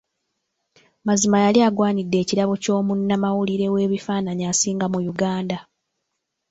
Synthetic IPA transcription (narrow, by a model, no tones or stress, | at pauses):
mazimajaliaɡwaːɲidːe̞ːciɾaβo̞co̞ːmunːamawuliɾe̞we̞ːβifaːnaɲaːsiːŋɡamujuɡaːnda